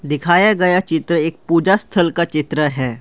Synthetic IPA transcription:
d̪ɪkʰaːjaɡɐjat͡ʃɪt̪ɾəeːk̚puːd͡ʒast̪ʰəlkat͡ʃɪt̪ɾəɦɛː

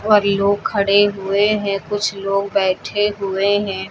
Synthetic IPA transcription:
ɔːɾloːɡ̚kʰɐɽeɦʊeɦɛ̃kʊt͡ʃʰloːɡbɛːʈʰeɦʊeɦɛ̃ː

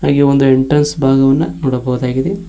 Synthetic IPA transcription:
haːɡiond̪ueɳʈɾɐnsbʱaːɡɐʋɐnːɐnɔːɽɐbɐɦud̪aːɡid̪e

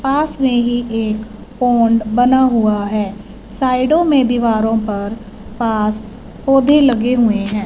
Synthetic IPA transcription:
paːsmẽɦieːk | poːɳɖbənaɦʊaɦɛː | saːɪɖõmẽd̪ɪʋaːɾõpɐɾ | paːs | poːd̪ʱeləɡeɦʊeɦɛ̃ː

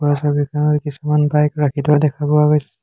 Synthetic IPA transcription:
asabikʰanɔɹkisumanbajkɹakʰitɔadɛkʰabɔwaɡojs

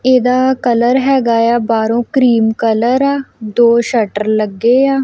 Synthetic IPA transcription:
ed̪aːkələɾɦɛːɡaːjaːbaːɾõːkɾiːmkələɾaːd̪oːʃəʈəɾləɡːeːaː

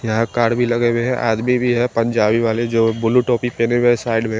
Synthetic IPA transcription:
jɐɦãkaːɽbʱilɐɡeweɦɛ̃ʔa̰ːd̪mibʱiɦɛpɐ̃ɲd͡ʒaːbiʋaːled͡ʒoːbʊluʈɔːpipeːnemesaːɪɖmẽ

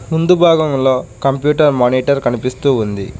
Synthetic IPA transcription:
mund̪ubʱaːɡɐmlo̞ːkɐmpjuːʈɐɾmaːniːʈɐɾkɐnipist̪uːund̪i

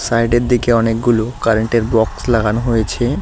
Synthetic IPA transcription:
sajɖeɾd̪ikeɔnek̚ɡulokaɾeɳʈeɾbɔkslaɡʱanoɦojet͡ɕʰe

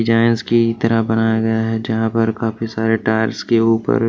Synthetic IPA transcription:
d͡ʒaːɪnskit̪ɐɾaɦbɐnaːjaɡɐjaɦɛd͡ʒɐɦãpɐɾkaːfisaːɾeʈaːɾskeuːpə̰ɾ

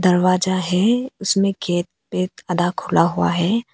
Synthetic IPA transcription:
d̪ɐɾwaːd͡ʒaɦɛʊsmẽɡɛːt̪̚pet̪ɐd̪akʰʊlaɦua̰ɦɛː

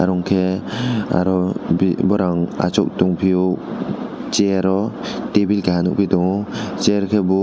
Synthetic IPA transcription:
aɾɔŋkʰe | a̰ɾɔbibɔɾaŋa̰t͡ʃɔk̚tuŋpʰiɔk | d͡ʒeaɾɔtebilkʰaɦanṵk̚bidɔŋɔt͡ʃeɾkʰebɔ

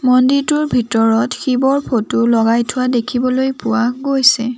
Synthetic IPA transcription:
mɔnditʊɹbʱitɔɹɔtxibɔɹpʰotʊlɔɡajtʰʊwadekʰibɔlojpʊwaɡojsɛ

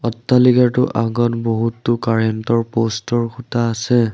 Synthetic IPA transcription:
ɔtːaliɡaɹtʊʔaɡɔnboɦutːʊkaɹɛntɔɹpostɔɹkʰutaːsɛ

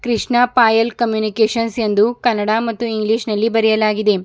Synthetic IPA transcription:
kɾiʂɳɐpaːjɐlkɐmjuːnikeːʂɐnsend̪ukɐnːɐɽaːmɐt̪ːuiŋɡliːʂnɐlːibɐɾɛjɐlaːɡid̪e̞

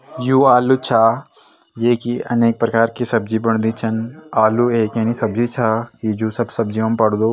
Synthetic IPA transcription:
juːaːlut͡ʃʰaː | jeːkiɐ̰neːk̚pɾɐkaːɾkisɐb̚d͡ʒibɐɳ̃d̪it͡ʃʰənaːlueːkãːnisɐbd͡ʒit͡ʃʰakid͡ʒuːsɐbsɐbd͡ʒiɦɐmpɐɽd̪oː

